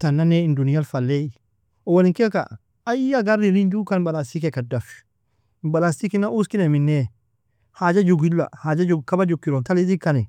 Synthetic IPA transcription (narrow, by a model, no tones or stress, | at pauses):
t̪anːanɛɪndunijalfalːei | ɔwaliŋkɛka̰ | ajjaɡaɾːiɾind͡ʒukanbalast̪ikɛkadafi̥ | balastikinaʔuskineminːɛ | haːd͡ʒad͡ʒuɡilːa̰haːd͡ʒad͡ʒuɡkabad͡ʒukːiɾɔnt̪alid̪ikːanɛ